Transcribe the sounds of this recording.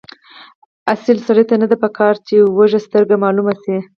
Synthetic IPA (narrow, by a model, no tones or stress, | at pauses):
asɪlsaɽəjt̪anad̪apəkʰɑɾt͡ʃewəʒast̪əɾɡamɑlumasi